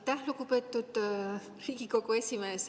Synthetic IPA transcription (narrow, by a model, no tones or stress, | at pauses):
t̪æɦlukupe̞ːt̪ːˑud̪̥ | riːɡiko̞kue̞sʲimeːs